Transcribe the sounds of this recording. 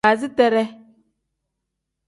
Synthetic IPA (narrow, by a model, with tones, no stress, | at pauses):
a˨zi˦tɛ˦ɾɛ˦